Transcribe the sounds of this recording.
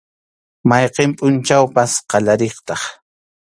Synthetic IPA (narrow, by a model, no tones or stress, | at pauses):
majqempʼʊnt͡ʃawpasqɑʎaɾeχt̪ɑχ